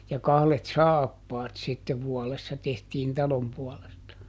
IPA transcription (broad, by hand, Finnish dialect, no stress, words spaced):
jɑ kɑhlet sɑːpːɑːt sitːeʋ ʋuɔlesːɑ tehtiːn tɑlom puɔlestɑ